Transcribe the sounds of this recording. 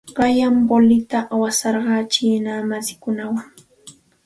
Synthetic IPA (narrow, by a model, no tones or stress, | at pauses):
ɢajambolɪt̪aʔawasɑɾɢɑːt͡ʃiːnamasɪ̥kʊnawaŋ